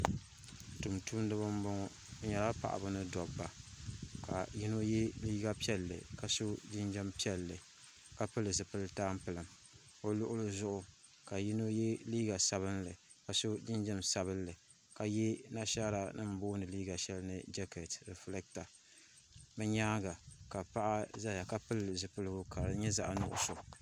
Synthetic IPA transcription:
tu˨mtu˦mdɨ˦bɨ˦m˦bɔ˦ŋɔ˦ | ɲa˨la˦pa̰˨ʔa̰˨bʊ˦nɨ˦dɔ˨bːa˨ka̰˨ji˦no˦jɛ˦liː˦ɡa˦pi˦ɛ˦lːɨ̰˨ka˨so˦d͡ʒɪ˦nd͡ʒɛ˦mpi˦ɛ˦lːɨ˨ | ka˨pɨ˦lɨ˨s̬ɨ˨pɨ˦lɨ˦taː˦m˦pɨ˨lɨ˨m | o˦lʊ˦ʔʊ˦lɨ˦zʊ˦ʔʊ˨ | ka˨ji˦no˦jɛ˦liː˦ɡa˨sa˨βɨ˦nlɨ˨ | ka˨so˦d͡ʒɪ˦nd͡ʒɛ˦msa˨bɨ˦nlɨ˨ | ka˨jɛ˦na˦ʃa˦ɾa˨nɨ̰˦m̩˨boː˦nɨ˨liː˦ɡa˨ʃɛ˦lnɨ˨d͡ʒɛ˦kɛ˨tɾɛ˨flɛ˦k̚ta˨ | mɨ˦ɲaː˦ɡa˨ka˨pa˦ʔa˦za˦ja˨ka˦pɨ˦lɨ˨zɨ˨pɨ˦lɨ˦ɡʊ˦ka˨ɾɲɛ˦za̰˦ʔnʊ̰˨ʔʊ̰˨so˨

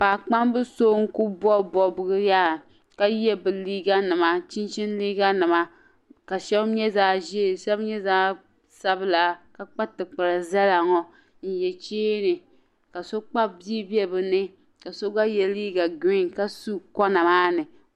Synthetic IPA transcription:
paː˨k͡pa˦mbɨ˦so˦ŋ̩˦ku˦bɔ˦bɔ˦bɨ˦ɡɨ˦jaː˦ | ka˦jɛ˦bɨ˨liː˦ɡa˦nɨ˨ma˦t͡ʃi˦nt͡ʃi˦n˦liː˦ɡa˦nɨ˨ma˦ | ka˨ʃɛ˦bɲɛ˦zaː˦ʒi˦˨ʃɛ˦bɲɛ˦zaː˦ | sa˦bɨ˦la˨ka˨k͡pa˦tɨ˨k͡pɨ˨ɾa˨za˦la˨ŋɔ˨ | n̩˦˨jɛ˨t͡ʃeː˦nɨ˨ | ka˨so˦k͡pa˦bi˦bi˦ɛ˦bɨ˨nɨ˦ | ka˨so˦ɡa˦jɛ˦liː˦ɡa˨ɡi˦ŋ˨ka˦su˦kɔ˦na˨maː˦nɨ˨

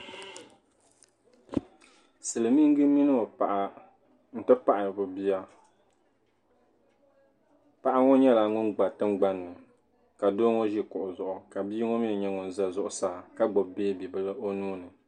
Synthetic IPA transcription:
sɨ˨lɨ˨mi˦ŋ˦ɡɨ˦mi˦nɨ˦o˨pa˨ʔa˨ | n̩˨tɨ˦pa˦ʔa˨bʊ˨bi˦a˦ | pa˨ʔa˦ŋɔ˦ɲɛ˦la˨ŋʊ˦nɡ͡ba˨tɨ˦ŋ͡mɡ͡ba˦nːɨ˨ | ka˨doː˦ŋo˦ʒi˦kʊ˨ʔʊ˨zʊ˨ʔʊ˨ka˨biː˦ŋo˦mi˦ɨ˨ɲɛ˦ŋʊ˨n˨za˦zʊ˨ʔʊ˨saː˦˨ka˦ɡ͡bɔ˨bbeː˦bi˨bɨ˦lɨ˦ʔo˦nuː˦nɨ˨

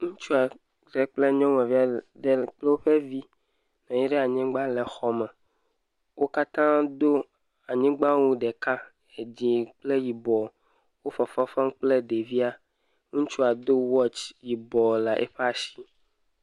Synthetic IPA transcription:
ŋũ˦t͡ʃu˦a˨ | ɖɛ˨k͡ple˦ɲɔ̃˦wɛ̃˨vi˦a˨de˦k͡ple˦wo˦ɸɛ˦vi˦ | nɔ̃˨ji˦ɖɛ˦a˨ɲɛ̃˦ɡ͡ba˦lɛ˨xɔ˦mɛ˨ | wo˦ka˦t̪ã˦d̪o˦ | a˨ɲĩ˦ɡ͡bã˦wu˦ɖɛ˨ka˦ | e˨d͡ʑĩ˨k͡ple˦ji˨bɔ˨ | wo˦fɔ˨fɔ˦fã˦ŋ˦k͡ple˦de˨vi˦a˨ | ŋũ˦t͡ʃu˦a˨d̪o˦wɔ˦t͡ʃji˨bɔ˨la˨ʔɛ̰˦ɸe˦a˨si˦

